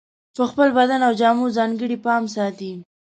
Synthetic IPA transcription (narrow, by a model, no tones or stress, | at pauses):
pəxpəlbad̪anawd͡ʒɑmuzɑŋɡəɽipɑms̬ɑt̪i